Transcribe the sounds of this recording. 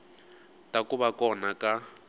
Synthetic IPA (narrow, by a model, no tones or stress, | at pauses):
tʼakuβakɔnaka